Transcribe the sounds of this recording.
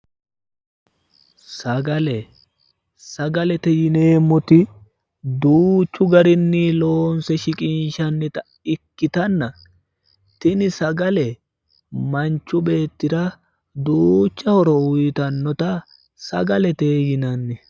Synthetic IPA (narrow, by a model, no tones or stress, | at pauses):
sɐɡɐlɛ | sɐɡɐlɛt̪ɛjɪne̞ːmːɔt̪ɪ | d̪uːt͡ʃːʊɡɐɾɪnːɪlo̞ːnsɛʃɪkʼɪnʃɐnːɪt̪ɐ | ɪkːɪt̪ɐnːɐ | t̪ɪnɪsɐɡɐlɛ | mɐnt͡ʃːʊbe̞ːt̪ːɪɾɐ | d̪uːt͡ʃːɐhɔɾɔwʊjt̪ɐnːɔt̪ɐ | sɐ̰ɡɐlɛt̪eːjɪnɐnːɛ